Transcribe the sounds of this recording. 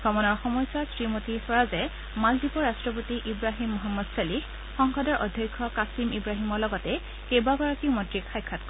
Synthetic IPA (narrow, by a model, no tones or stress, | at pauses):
ɡɔmɔnɔɹxɔmɔjsasɹimotiɹsɔɹazɛ | maldipɔɹastɹɔpotiʔibɹaɦimːɔɦamːɔdsalix | xɔŋxɔdɔɹʔɔdʱjɔjkʰːɔkasimibɹaɦimɔɹlɔɡɔtɛ | kejbabaɹɔkiʊmɔdɹikʰajkʰːat̚kɔ